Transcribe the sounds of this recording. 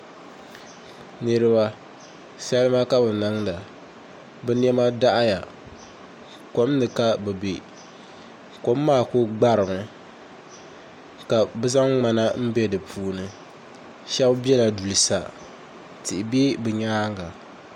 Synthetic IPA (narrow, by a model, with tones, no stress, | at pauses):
nɨ˦ɾɨ˦ba˦ | sa˦lɨ˦ma˦ka˦bɨ˨nɨ˦ŋda˨ | bɨ˦n˦ɛ˦ma˦da˦ʔa˦ja˨ | ko˦m˦nɨ˨ka˦bɨ˨be˨ | ko˦mː˦aː˦˨ko˦ɡ͡ba˦ɾɨ˨mɨ˨ | ka˨bɨ˦za˦ŋŋ͡ma˦na˦m̩˦bɛ˦dɨ˨pʰuː˨nɨ˦ | ʃɛ˦bbɛ˦la˨du˨lɨ˨sa̰˨ | tɪ˨ʔɪ˨be˦bɨ˨ɲaː˦ŋɡa˨